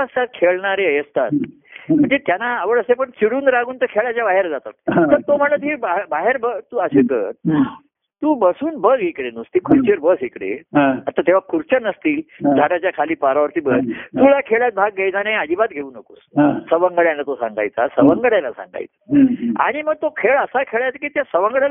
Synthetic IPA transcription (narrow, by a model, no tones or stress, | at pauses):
ast̪at̪̚kʰeɭɳaɾeəjəst̪at̪ | m̤əɳd͡zet̪janaːʋəɽəsepəɳt͡ɕiɽuːnɾaɡuːnt̪əɾkʰeɭat͡ɕjabaɦeɾd͡zat̪a̰t̪̚t̪əɾt̪om̤ələt̪ɦebabaɦeɾbət̪uːəsek̪əɾ | t̪uːbəsuːnbəɡɦikɽenust̪iːkʰuɾt͡ɕeɾbəsɦikɽḛat̪at̪eʋ̤akʰuɾt͡ɕənəst̪iːld͡zʱaɽat͡ɕjakʰaliːpaɾaʋəɾt̪iːbət̪ulakʰeɭjat̪̚bʱaɡːejd͡z̪anead͡ʑ̪iːbat̪̚ɡʱeuːnəkuːssəʋəŋɡəɽjãnlːat̪osã̰ŋɡa̰jt͡sasəʋəŋɡəɽjalasã̰ŋɡa̰jt͡sḁa̰ɽ̃iməɡ̚t̪okʰeɭəsakʰeɭajt͡s̪akiːt̪jasəʋəŋɡəɽal